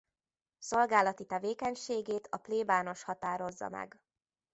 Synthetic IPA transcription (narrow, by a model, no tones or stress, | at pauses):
so̞lɡaːlɒt̪it̪ɛveːkɛɲʃeːɡeːt̪ʰɒpleːbaːno̞ʃhɒt̪aːɾo̞zːɒ̰mɛ̰ɡ